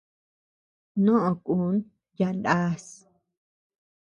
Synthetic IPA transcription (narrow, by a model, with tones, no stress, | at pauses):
nõ˦ʔõ˨ku˨˦n | ja˧˨nd̪a˦s